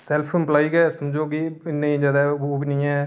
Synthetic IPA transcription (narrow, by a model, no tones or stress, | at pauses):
sɛːlpʰɪmplaːikɛːsəmd͡ʒoːkiɪnːẽĩd͡ʒaːd̪aoːbinĩːɛː